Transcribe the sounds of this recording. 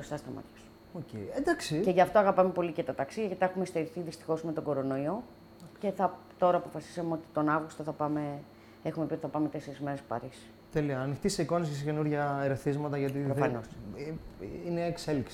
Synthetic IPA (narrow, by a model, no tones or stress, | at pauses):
ost̪ɐst̪ɐmɐ̰t̪çɐsu̥ | oceiend̪ɐksice̞ʝɐft̪o̞ɐɣɐpɐme̞po̞licet̪ɐt̪ɐksiðjɐkit̪ɐexume̞st̪eɾiθiðist̪i̥xo̞zme̞t̪o̞ɡo̞ɾo̞no̞io̞ | ce̞θɐt̪o̞ɾɐːpo̞fɐsi̥sɐmeo̞t̪i̥t̪o̞nɐvɣust̪o̞θɐpɐme̞ | exume̞piot̪iθɐpɐme̞t̪e̞se̞ɾizme̞ɾesppɐ̰ɾisi̥ | t̪eliɐːnixt̪iseiko̞nises̬cenuɾʝɐeɾeθizmɐt̪ɐʝɐt̪ipɾofɐnos | ineːkse̞liks